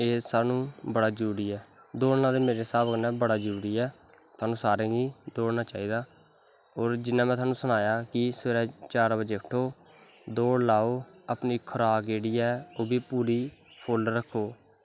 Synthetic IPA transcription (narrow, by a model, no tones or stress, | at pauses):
eːsaːnũːbəɽaːd͡ʒəɾuːɾiːɛː | d̪oːɽnaːd̪eːmeːɾeːsaːbəknɛ̃ːbəɽaːd͡ʒɾuːɾiːɛː | t̪ʰaːnũːsaːɾẽːɡiːd̪oːɽnaːt͡ʃaːiːd̪aː | oːɾd͡ʒɪnːãːmɛ̃t̪ʰaːnũːsʊnaːjaːkɪsəːɾɛːt͡ʃaːɾbəd͡ʒeːkʰʈʰoː | d̪oːɽlaːoːəpniːkʰəɾaːɡeːɽiːaoːbiːpuːɾiːpʰoːlɖɾəkʰːoː